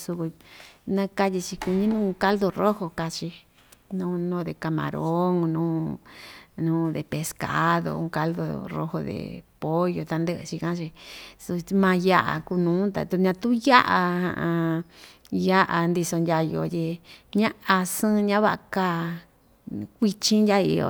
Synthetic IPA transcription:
su˧ku˧nã˧ka˦ji˧t͡ʃi˧ku˧ɲĩ˦nũː˦˧ka˦ld̪o˧ro˦ho˧ka˧t͡ʃi˧ | nũː˦nõː˦ðe˧ka˨mã̰˨ɾo˦ŋnũː˦ | nũː˦ðe˨pe˨ska̰˦ðo̰˧ũ˧ka˧ld̪o̰˧ro̰˧ho̰˧ðḛ˨po˦jo˧t̪a˧nd̪ə˦ʔt͡ʃi˧kã˦t͡ʃi˧su˧mã˧ja˦ʔa̰˨ku˧nũː˨˦t̪a̰˨t̪u˧ɲã˧t̪ũ˦ja˦ʔa˧hã̰˧ʔã˧ | ja˦ʔa˧nd̪i˧so˧ndʲa˧jo̰˧˨t̪ʲi˧ɲã˦a˧sɨ̃˦ɲã˦βa˦ʔa˧ka˦ | kʷi˧t͡ʃĩ˦ndʲa˦ḭ˧o̰˧

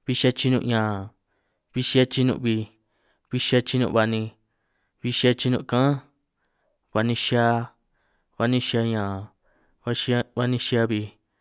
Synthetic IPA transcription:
βi˧ʃa˧t͡ʃi˧nũ˧ɲãː˨ | βi˧ʃi˧˦a˧t͡ʃi˧nṵ̃˧ʔβi˧ | βi˧ʃa˧t͡ʃi˧nṵ̃˧βa˧nĩ˧ | βi˧ʃi˧˦a˧t͡ʃi˧nũ˧˨˧kã˦ | βa˧nĩ˧ʃa˧ | βa˧nĩ˧ʃi˧a˧ɲãː˨ | βa˧ʃa˧βa˧nĩ˧ʃa˧βi˧

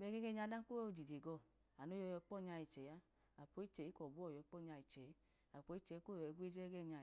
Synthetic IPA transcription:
bɛ˨˧˦ɡe˦ɡe˦ɲa˧da˦n˦ko˦˧˨d͡ʒi˨de˨ɡɔ˧˨ | a˨no˨˦jɔ˧jɔ˧˦k͡pɔ˦˨ɲa˧ji˨t͡ʃɛ˨ja˦ | a˨po˨˦i˦t͡ʃɛ˨i˦kɔ˨bu˦ɔ˦˨jɔ˨˦k͡pɔ˦˨ɲa˧i˨t͡ʃɛ˨˦ | a˨k͡po˨˦i˦t͡ʃɛ˨i˦ko˦jɡʷe˦d͡ʒɛ˦ɡɛ˦˨ɲa˧˨

